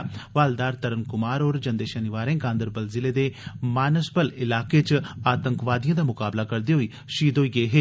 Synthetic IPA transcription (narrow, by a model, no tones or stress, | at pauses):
ʋaːld̪aːɾt̪əɾənkʊmaːɾoːɾd͡ʒənd̪eːʃənɪʋaːɾẽːɡãːnd̪əɾbəlzɪleːd̪eːmaːnəspəlɪlaːkeːt͡ʃaːt̪əŋkʋaːd̪ijãːd̪aːmʊkaːblaːkəɾd̪eːɦoiː | ʃiːd̪oːiɡəeːɦeː